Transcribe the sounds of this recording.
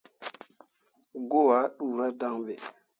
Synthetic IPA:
ɡo˦˨a˨˦ɗu˨ɾa˦da˦ŋɓe˨

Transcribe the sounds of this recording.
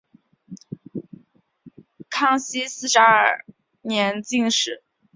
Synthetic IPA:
kʰɑ˥ŋɕi˥sɹ̩˥˩ʂa˧˥ə̰˞˨˩ | njɛ˧˥nt͡ɕi˥˧ŋʂɻ̩˨˩˦

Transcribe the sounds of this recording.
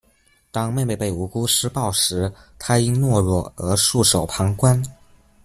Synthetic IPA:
t̪ɑ˥ŋme˥˧ɪpe˥˩ɪpe˥˩ɪu˧˥ku˥ʂɻ̩˥pɑ˥˩ʊʂɻ̩˧˥t̪ʰa˥i˥ŋnwɔ˥˧ɻwɔ˥˩ɤ˧˥ʂu˥˩ʂo˨˩ʊpʰɑ˧˥ŋkwa˥n

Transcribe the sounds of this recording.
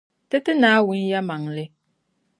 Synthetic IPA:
tɨ˦tɨ˦naː˨˦wʊ˦n˦ja˦ma˨ŋlɨ˦

